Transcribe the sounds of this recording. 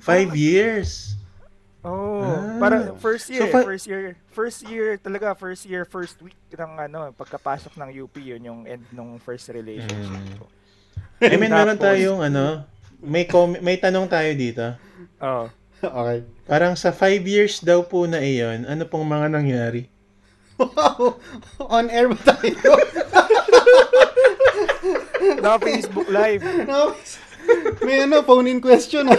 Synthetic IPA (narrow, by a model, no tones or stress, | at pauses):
fajvjiɹs | ʔopaːɾɐŋfɛɹst̪joɹfɛst̪jiɹfɛɹst̪jiɹt̪ɐlɐɡafɛɹst̪jiɹfɛɹst̪̚wik̚nɐŋʔɐnopɐɡ̚kɐpaːsok̚nɐŋjuːpijʊnjʊŋʔɛnd̪̚nʊŋfɛɹst̪ɾɪlejʃɔ̰nʃɪo | ɛmɛnmɛːɾont̪aːjoŋʔɐno̞ | mɐjkoːmmɐjt̪ɐnoŋt̪aːjod̪iːt̪o̞ | o | ʔoːkɛjpaːɾɐŋsɐfajvjiɹsd̪ɐwpʊnɐʔɛjonʔɐnopoŋmɐŋanɐŋjaːɾɪ | ʔonɛɹbɐt̪aːjoo | nfesbʊklajvno | mɐjɐnofownɪŋkwɛst̪on